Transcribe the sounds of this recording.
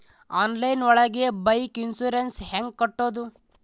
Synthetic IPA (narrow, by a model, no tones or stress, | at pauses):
aːnlɐjnɔɭɐɡebɐjkinsuɾensheŋɡ̚kɐʈːoːd̪u